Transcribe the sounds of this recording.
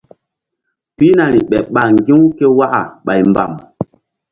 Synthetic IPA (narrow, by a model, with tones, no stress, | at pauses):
pi˦na˨ɾi˨ɓɛ˨ɓa˨ŋ˨ɡi˦wke˦wa˦ʔa̰˨ɓa˨jmba̰˨m